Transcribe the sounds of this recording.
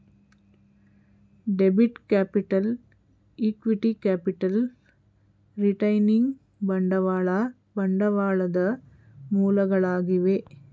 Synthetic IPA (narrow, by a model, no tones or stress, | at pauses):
ɖɛbɪʈkaːpɪʈːɐl | ikʋiʈikaːpɪʈːɐl | ɾɪʈɐɪnɪŋ | bɐɳɖɐʋaːɭa | bɐɳɖɐʋaːɭɐðɐ | muːlɐɣɐɭaːɣiʋeː